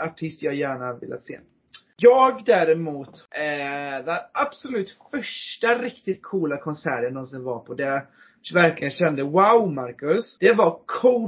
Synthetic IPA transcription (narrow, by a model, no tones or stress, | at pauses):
aʈʰɪst̪jaːjæːɳavɪ̰lːʔa̰t̪sḛː | jɑːɡd̪æɾɛmuːt̪ʔd̪ɛnʔab̥sɔlʉ̟ːt̪fœʂʈaɾɪkt̪ɪt̪̚kʰuːlakʰɔnsæːɾənnːɔnsɪnvaɾpʰɔd̪ɛ | væɾklɪɡənɕɛnd̪əwawmaɾkɵsd̪̥ɛvakʰuː